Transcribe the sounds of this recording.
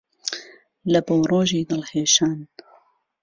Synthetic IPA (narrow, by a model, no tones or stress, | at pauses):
lɐbowroːʒiːd̪ɨlheːʃaːn